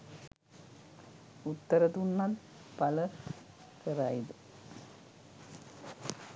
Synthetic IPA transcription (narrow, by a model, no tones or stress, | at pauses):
ut̪ːɐɾɐt̪uɳːaːl | pɐlɐ | kɐraːjiðɨ